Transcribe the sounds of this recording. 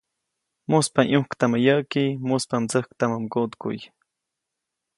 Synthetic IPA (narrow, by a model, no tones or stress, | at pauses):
mʊspaŋʔʊhkt̪amajaʔkimʊspamt͡səhk̚t̪amamkot̪kʊ̰j